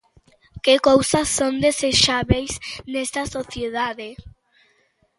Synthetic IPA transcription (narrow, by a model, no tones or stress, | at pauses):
kekowsɐsːond̪eseʃaβejsnɛst̪ɐsoθjeðaðe